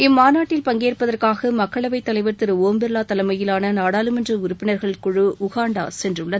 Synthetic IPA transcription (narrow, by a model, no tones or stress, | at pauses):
ɪmːaːnaːʈːɪlpɐŋɡeːrpːɐðɐrkaːɣɐmɐkːɐɭɐʋɐɪt̪ːɐlɐɪʋɐɾt̪ɪɾɯoːmbɛɾlaːt̪ɐlɐmɐjɪlaːnɐnaːɽaːlɯmɛndrɐʊɾʊpːɪnɐɾɣɐɭkʊɻɯʔʊɣaːɳɖa̰ːsɛndrɯɭːɐðɯ